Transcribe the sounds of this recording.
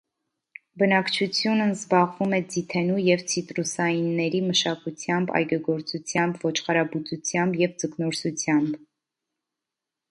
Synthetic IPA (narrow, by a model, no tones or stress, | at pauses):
bənɑkt͡ʃʰut͡sʰjunəzbɑʁvumɛd͡zit̪ʰɛnujɛvt͡sʰit̪ɾusɑjinːɛɾiməʃɑkut͡sʰjɑmbɑ̰jɡɑɡɔɾt͡sut͡sʰjɑmbvɔt͡ʃʰχɑɾɑbut͡sut͡sʰjɑmbjɛvd͡zəknɔɾsut͡sʰjɑmb